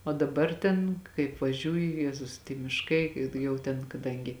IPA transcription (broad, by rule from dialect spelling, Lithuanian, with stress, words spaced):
oː dɐˈbɐr ˈtʲɛn kɐɪp ʋɐˈʒʲuːjʊ ˈjæːzʊs tʲiɛ mʲɪʃˈkɐɪ ɪ ˈjɛʊ tʲɛn kɐˈdɐŋʲɡʲɪ